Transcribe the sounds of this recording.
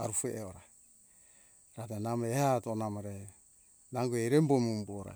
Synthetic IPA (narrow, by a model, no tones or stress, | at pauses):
aɾufueʔeoɾa | ɾatenamehatonamaɾe | naŋɡueiɾembomumboɾa̰